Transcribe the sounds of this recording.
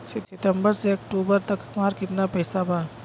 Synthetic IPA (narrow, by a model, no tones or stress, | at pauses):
sitʰitembɐɾsek̚ʈubɐɾt̪ɐkʰɐmaɾkit̪̚napɐjsaba